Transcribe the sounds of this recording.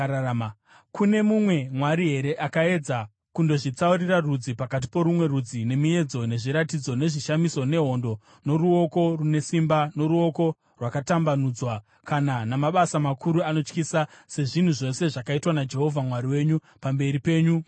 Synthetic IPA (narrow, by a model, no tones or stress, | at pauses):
kʰune̞mumwe̞mwaɾiɦe̞ɾe̞ʔakae̞d͡za | kundo̞ʐit͡sauɾirarud͡zipakat̬i̥po̞ɾumwe̞rud͡zine̞mue̞d͡zo̞ne̞ʐiɾatid͡zo̞ne̞ʐiʃamiso̞ne̞ɦo̞ndo̞ | no̞ɾuo̞ko̞rune̞simbano̞ɾuo̞ko̞ | rwakatambanud͡zwa | kananamaɓasamakuɾuano̞t͡ʃkisase̞ʐin̤uʐo̞se̞ʐakaitwanad͡ʒe̞ɦo̞vʱamwaɾiwe̞ːɲu | pambe̞ɾipe̞ːɲu